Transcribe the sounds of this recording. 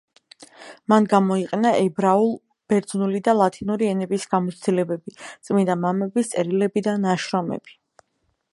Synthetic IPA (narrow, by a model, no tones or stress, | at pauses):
manɡamɔiqʼɛnaʔɛbɾaulˠ | b̥ɛɾd̪znulid̪alˠat̪ʰinuɾiɛnɛbisɡ̥amɔt̪sʰd̪ilɛbɛbit̪sʼmind̪amamɛbist̪sʼɛɾilɛbid̪anaʃɾɔmɛ̰b̥i̥